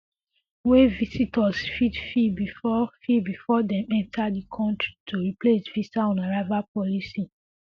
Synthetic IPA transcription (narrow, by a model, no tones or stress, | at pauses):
wevisitʰɔsfidfibifɔfibifɔdɛ̃mɛ̃ntʰadikʰɔ̃ntɹi̥tʰuɹiplesviitaɔ̃naɹavapɔlisi